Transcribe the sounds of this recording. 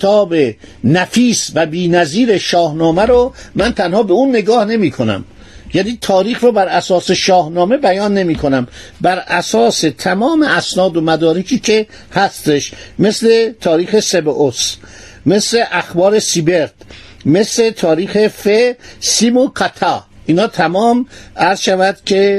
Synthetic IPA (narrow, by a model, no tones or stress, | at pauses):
et̪ʰɒːbenæfiːsvæbiːnæziːɾe̞ʃɒːhnɒːmæɾomænt̪ʰænhɒːbeunːe̞ɡɒːhne̞miːkʰonæ̰m | jæniːt̪ʰɒːɾiːxɾobæɾæsɒːse̞ʃɒːhnɒːme̞bæjɒːnːe̞miːkʰo̞næmbæɾʔæsɒːset̪ʰæmɒːme̞æsnɒːd̪omæd̪ɒːɾecʰiːcʰe̞ | hæst̪e̞ʃmesle̞t̪ʰɒːɾiːxe̞sebeʔos | me̞sle̞ʔæxbɒːɾe̞sibeɾt̪ | me̞sle̞t̪ʰɒːɾiːxe̞fesimoqʰæt̪ʰɑiːnhɒːt̪ʰæmɒːmæɾzʃævæd̪̥cʰe